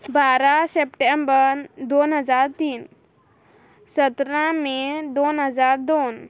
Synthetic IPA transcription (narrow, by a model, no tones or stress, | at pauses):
baːɾasepʈembəɾd̪oːnɦəd͡ʒaːɾt̪iːn | sət̪ɾãmẽd̪oːnɦəd͡ʒaːɾd̪oːn